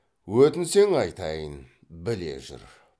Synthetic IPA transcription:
wɵt̪ɪnse̞ŋɑjt̪ɑjən | bɪle̞̰ʒʏ̰ɾ

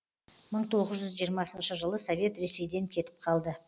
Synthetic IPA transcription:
məɴt̪ʰo̞ʁəzʒʏzʒijəɾmɑsənʃəʒəlˠəsovʲe̞t̪ɾe̞se̞jd̪e̞ŋkʲʰe̞t̪ɪ̥p̚qʰɑlˠd̪ə

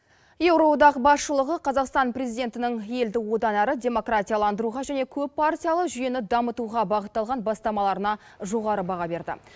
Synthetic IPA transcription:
je̞wɾo̞d̪ɑqbɑsʃəlˠəʁəqʰɑzɑqst̪ɑnpɾe̞zijd̪ʲe̞nt̪ɪnɪŋe̞ld̪ɪwo̞d̪ɑnæɾɪdʲe̞mo̞kratʲijalˠɑnd̪əɾuʁɑʒæne̞kʲʰɵpːartʲijalˠəqʒʏje̞nɪd̪ɑmət̪uʁɑbɑʁət̪ːɑlˠʁɑnbɑst̪ɑmɑlˠɑɾənɑ | ʒo̞ʁɑɾəbɑʁɑbe̞ɾd̪ɪ̰

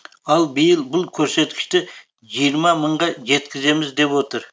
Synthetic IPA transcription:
ɑlˠbɪjɪlˠbʊlˠkʲʰɵɾse̞t̪kʲɪ̥ʃt̪ɪ | ʒijəɾmɑməɴʁɑʒe̞t̪kʲɪze̞mɪzd̪e̞pwo̞t̪əɾ

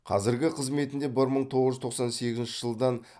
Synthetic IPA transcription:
qʰɑ̰zɪɾɡʲɪqʰəzme̞t̪ɪnd̪e̞bɪɾməɴt̪ʰo̞ʁəʒʏt̪ʰo̞qsɑnse̞ɡʲɪzɪnʃɪʒ̥əlˠd̪ɑn

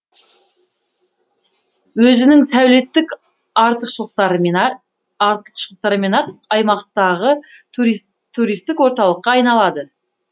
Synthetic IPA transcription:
wɵzɪnɪŋsæwle̞t̪ːɪk | ɑɾt̪əqʃəlˠqt̪ɑɾ | ɑɾt̪ə̥qʃəlˠəqt̪ɑɾəmenɑt̪ɑjmɑqt̪ɑʁə | t̪ʰːuɾijst̪ɪkwo̞ɾt̪ɑlˠəqːɑːjnɑlˠɑd̪ə

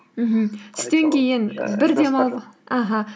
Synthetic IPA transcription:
m̩ɦm̩ɪ̥st̪e̞ŋkʲe̞jɪnbɪɾd̪e̞mɑlˠʁəaɦa

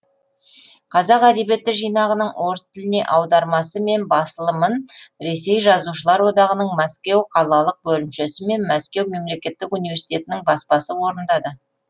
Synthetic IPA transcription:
qʰɑzɑqæd̪e̞bje̞t̪ːɪkʒijnɑʁənəɴwʔo̞ɾəst̪ʰɪlɪne̞̰ʔɑwd̪ɑɾmɑsəme̞nbɑsəlˠəmənɾe̞se̞jʒɑzuʃəlˠɑɾwo̞d̪ɑʁənəɴmæskʲe̞wqʰɑlˠɑlˠəq̚bɵlɪmʃesɪme̞nmæskʲe̞wme̞mle̞kʲe̞t̪ːɪkunijvʲe̞ɾsi̥t̪e̞t̪ɪnɪŋbɑspɑsəwo̞ɾənd̪ɑd̪ə

